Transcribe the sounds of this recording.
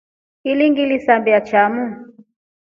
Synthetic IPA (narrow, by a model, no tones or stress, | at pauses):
iliŋɡilisambiat͡ʃamu